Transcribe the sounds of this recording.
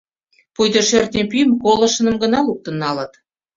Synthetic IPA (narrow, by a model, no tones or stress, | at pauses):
pujd̪ɤʃørt̪̚nʲepyjəmkolə̆ʃə̆nə̆mɡə̆nɑlup̚t̪ə̆nːɑlət̪